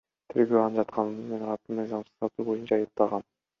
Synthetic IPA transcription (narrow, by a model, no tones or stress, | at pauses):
t̪ʰeɾɡʲøɑnd͡ʒɑt̪qʰɑnɯnmenɑɾˠɑt̪ːɯnmɯjzɑmsɯ̥zɑt̪uːbo̞junt͡ʃʰɑɑjɯp̚t̪ɑʁɑn